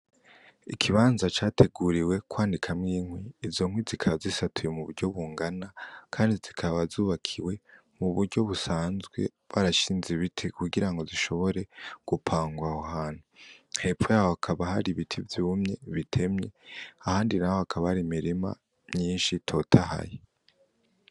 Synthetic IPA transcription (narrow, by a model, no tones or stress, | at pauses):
ikʰiβaːnzat͡ʃaːtʰe̞ɡuɾiwe̞kwaːndikʰamŋiːŋwiːzo̞ŋ̥wizikʰaβazisatʰujemuβuɾɟo̞βuːŋɡanakʰaːndizikʰaβazuːβakʰiwe̞ | muβuɾɟo̞βusaːnzɡwe̞̰ | βaɾaʃiːnzeβitʰikuɡiɾaŋɡo̞ziʃo̞βo̞ɾe̞ɡ̥upʰaːŋɡwahohaːn̥huhe̞pojahoakʰaβahaɾiβitʰivjuːmɲe̞βitʰe̞mɲe̞ahaːndinahohakʰaβahaɾimiɾima̰ | mɲiːnʃitʰo̞tʰaha̰je